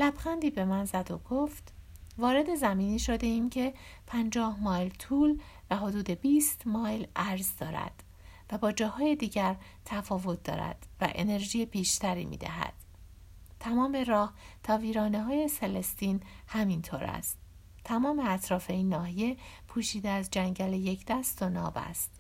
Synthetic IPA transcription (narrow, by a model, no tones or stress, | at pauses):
læbxænd̪iːbe̞mænzæd̪oɡ̥oːft̪vɒːɾe̞d̪e̞zæmiːniːʃo̞d̪e̞iːmcʰe̞pʰænd͡ʒɒːhmɒːjlt̪ʰuːl | væɦo̞d̪uːd̪e̞biːst̪mɒːjlʔæɾzd̪ɒːɾæ̰d̪̥ | væbɒːd͡ʒɒːhɒːje̞d̪iːɟæɾ | t̪ʰæfɒːvo̞t̪̚d̪ɒ̰ːɾæ̰d̪̥væ̰ʔe̞̰ne̞ɾʒijebiːʃt̪ʰæɾḭːmḭːd̪æ̰ɦæ̰d̪̥ | t̪ʰæmɒːme̞ɾɒːht̪ʰɒːviːɾɒːneɦɒːjeselest̪iːnhæmint̪ʰoːɾæ̰st̪ | t̪ʰːæmɒːme̞æt̪ʰɾɒːfe̞iːnːɒːɦije̞pʰuːʃiːd̪eæzd͡ʒæŋɟæle̞je̞cʰd̪̥æst̪onɒ̰ːbæ̰st̪